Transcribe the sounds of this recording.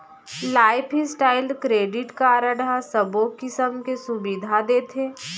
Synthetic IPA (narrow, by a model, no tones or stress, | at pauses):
laːɪpʰisʈaːɪlkɾeːɖɪʈkaɾəɽasəbõkɪsəmkesʊbid̪ʱad̪eːt̪ʰeː